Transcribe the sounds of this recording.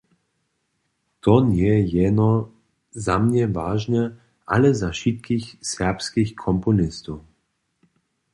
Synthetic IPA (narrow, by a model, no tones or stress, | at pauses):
t̪ɔnjɛjɛnɔ | zamɲɛvaːʒnɛ | ʔalɛzaʃit̪̚kixsɛʁpskixkʰɔmpɔnɪst̪ɔw